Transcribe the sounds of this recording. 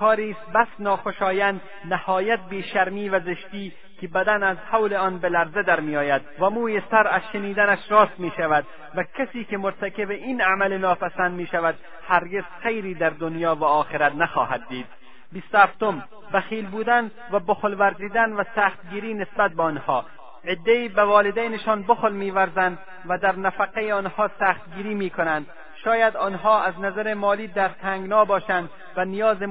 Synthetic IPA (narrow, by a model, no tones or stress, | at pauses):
kʰɒːɾiːst̪̚bæsnɒːxoʃɒːjænd̪ | nahɒːjæt̪̚biːʃæɾmiːvæzeʃt̪iː | kʰebæd̪ænæzhawleɒːnbelæɾzed̪æɾmijɒːjæd̪væmuːjesæɾæzʃeniːd̪ænæʃɾɒːst̪miːʃavæd̪ | vækʰæsiːkemoɾt̪ʰækebeʔinamælenɒːpæsænd̪miːʃævæd̪̚ | hæɾɡe̞z̥xejɾiːd̪æɾd̪onjɒːvæɒːxeɾæt̪næxɒːɦæd̪̚ːiːd̪̥̚ | bist̪ohæft̪om | bæxiːlbuːd̪æn | væboxlvæɾziːd̪ænvæsæxt̪ɡiːɾiːnesbæt̪̚beɔnhɒː | ed̪ːeiːbævɒːled̪æjneʃɒːnboxlmiːvæɾzænd̪ | væd̪æɾnæfæqejeɒnhɒːsæxt̪̚ɡiːɾiːmiːkʰonænd̪ | ʃɒːjæd̪ɒːnɦɒːʔæznæzæɾemɒːliːd̪æɾt̪ʰæŋɡnɒːbɒːʃænd̪ | vænijɒːze